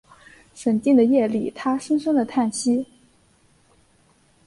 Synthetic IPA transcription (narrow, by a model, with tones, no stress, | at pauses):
ʂə˨˩nt̪i˥˩ŋd̪ə˩jɛ˥˩li˨˩t̪ʰa˥ʂə˥ŋsə˥ŋd̪ə˨t̪ʰa˥˩nɕi˥